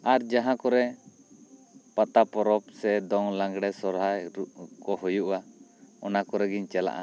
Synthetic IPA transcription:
aɾd͡ʒaɦãkɔɾɛ | pat̪apɔɾɔpsɛd̪ɔŋlãŋɡɽɛsɔɾɦajɾukɔɦujuʔaɔnakɔɾɛɡiɲt͡ʃɛla̰ʔa̰

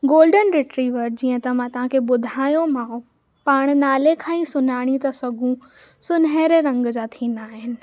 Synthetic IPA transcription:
ɡoːlɖənɾɪʈɾiːʋəɾd͡ʑiːə̃t̪ɐmãt̪ɐʋ̤ãkʰeɓʊd̪ʱaːjõmãːũ | paːɽ̃naːlekʰãːĩsʊnaːɽ̃it̪ɐsɐɡʱũ | sʊnɦeːɾeɾɐ̃ŋɡd͡ʑaːt̪ʰiːnaːɦɪnɪ̆

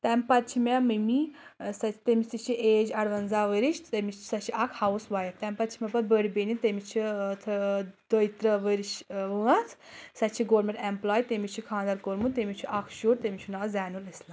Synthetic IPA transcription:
t̪ɛmpɐt̪t͡ʃʰimemɨmisɐt̪emist̪it͡ʃʰiʔeːd͡ʒɐɽʋɐnzaːʋəɾiʃt̪emi̥sɐt͡ʃʰiʔɐkʰhɐwsʋaːjɐt̪ɐmʲpɐt̪t͡ʃʰimʲɛpɐt̪bəɽibenʲit̪emit͡ʃʰit̪ʰd̪ojt̪ɾɐʋəɾiʃʋɨɐt͡sʰsɐt͡ʃʰiɡoːɾmẽɳʈemplaːjt̪emit͡ʃʰikʰãːnd̪ɐɾkoɾmut̪emit͡ʃʰiʔɐkʰʃuːɾt̪emit͡ʃʰunaːzɛːnulɐsla

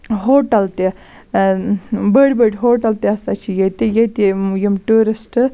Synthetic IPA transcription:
ɦoːʈɐlt̪e | bəɽbəɽʲɦoːʈɐlt̪eɐsat͡ʃʰijet̪ijet̪ijimʈuːɾisʈ

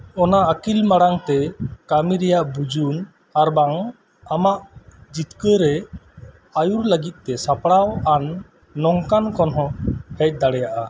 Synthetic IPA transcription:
ɔnaːkilmaɽaŋt̪ɛkamiɾɛjaʔbud͡ʒun | aɾbaŋ | amaʔd͡ʒit̪kəɾɛ | ajuɾləɡit̪̚ˀt̪ːɛsapɽawanː | ɔŋkankɔnɦɔ̃hɛc̚d̪aɽɛjaʔa

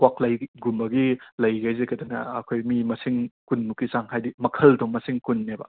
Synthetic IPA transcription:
waklajɡumbɐɡilɐjɡajzekɐdɐnɐ̰ːkʰojmimɐsiŋkunmukisaŋhajdimɐkʰɐldɔmːɐsiŋkunːebɐ̰

